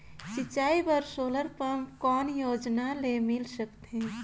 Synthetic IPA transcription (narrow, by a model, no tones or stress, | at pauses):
sit͡ʃːaibəɾsoləɾpəmkɔːnjod͡ʒnalemilsəkt̪ɦɛ̃